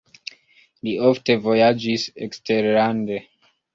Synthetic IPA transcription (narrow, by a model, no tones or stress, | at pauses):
lioftevojad͡ʒisḛkstʰeɾande